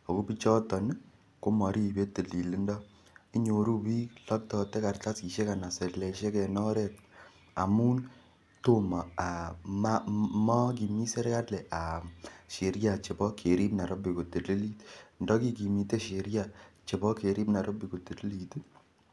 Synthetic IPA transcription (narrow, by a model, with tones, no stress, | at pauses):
o˨ku˦pi˦t͡ʃɔ˦tɔ˨n˦ | ko˦mɔ˨ɾi˦˨be˦te˨li˨li˦ndɔ˦ | i˦ɲo˨ɾu˦wi˦klɔ˦k̚tɔ˧tɛ˦ka˨rta˦si˨ʃe˦ka˨na˨se˨tlɛ˨ʃɛ˦kɛ˨nɔ˦ɾɛ˦˨t̚ | a̰˨mu˦n | to˦ma˨a˨ma˦mɔ˦k̬i˨mi˦se˦ɾka˦tlɛ˨ʔa˨ʃe˨ɾja˨t͡ʃe˨bɔ˦kʰe˨ɾi˦pna˨ɾo˦pi˨ko˨te˨li˦li˦tndɔ˦ki˦k̬i˨mi˨te˦ʃe˨ɾja˦˨t͡ʃe˨bɔ˦kʰe˨ɾi˦pna˨ɾʔo˦pi˨ko˨te˨li˦li˨tu˦